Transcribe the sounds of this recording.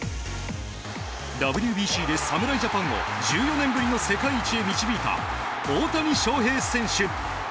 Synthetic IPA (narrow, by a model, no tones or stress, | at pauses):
d̪abɯ̟ɾʲjɯbʲiːɕiːd̪e̞samɯ̟ɾaiʑapãŋo̞̰d͡ʑɨːjo̞nẽ̞mbɯ̟ɾʲino̞se̞kaiːt͡ɕie̞mʲit͡ɕibʲiːt̪a̰ | o̞ːt̪aɲ̟iɕo̞ːɦe̞ːsẽ̞ɰ̃ɕɨ